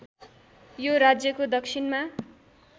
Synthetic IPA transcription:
joɾad͡zjʌkod̪ʌksʰinma

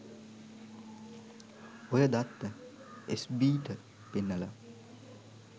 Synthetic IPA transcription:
ojad̪at̪ːə | esbiːʈə | penːala

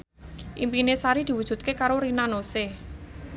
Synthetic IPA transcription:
ʔimpinesaɾid̪̥i̤wud̥ʒ̥ṳt̪̚kekaɾoɾinanose

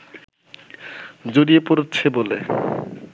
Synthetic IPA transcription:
d͡ʑoɾiepoɾotːt͡ɕʰebole

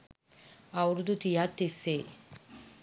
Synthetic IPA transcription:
ɐwɾud̪ut̪ijaːt̪ːise

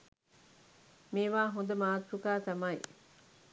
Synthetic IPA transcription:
meːʋaːɦond̪əmaːt̪ːukaːt̪ɐmɐj

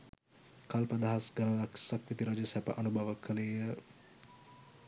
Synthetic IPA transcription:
kalpəd̪aɦasɡɐləlaksakʋit̪iɾad͡ʒəsæpə̰ʔanubʱɐʋəkʰəlejə

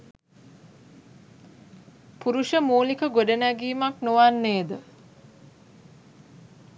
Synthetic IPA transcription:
puɾuʃəmuːlikəɡoɖənæɡiːmaknoʋanːeːd̪ə

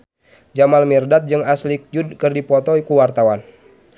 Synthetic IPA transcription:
d͡ʒamalmirdat̪̚d͡ʒɨŋaslik̚d͡ʒudkərdipɔt̪ɔikuwart̪awan

